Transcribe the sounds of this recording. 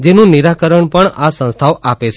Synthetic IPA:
d͡ʒenũniɾakəɾəɳpəɳasə̃st̪ʰawʔapet͡ʃʰ

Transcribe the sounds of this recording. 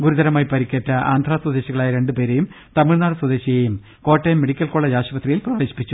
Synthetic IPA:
ɡuɾud̪ɐɾɐmaːjipɐɾikʲːeːtːɐa̰ːnd̪ʱraːswɐd̪e̞ːɕiɣɐɭaːjɐɾe̞ɳɖɨpe̞ːɾejum | t̪ɐmiɻnaːɽɨswɐd̪e̞ːɕijɐjum | ko̞ːʈːejɐmːeɽikʲːɐlkoːɭːɐɕaːʂɐpɐt̪rijilprɐʋeːɕi̥pːit͡ɕːu

